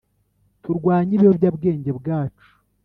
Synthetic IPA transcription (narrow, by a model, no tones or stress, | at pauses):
tuɾɡwaːɲiβihobjabɡe̞ːɲɟe̞bɡaːt͡ʃu̥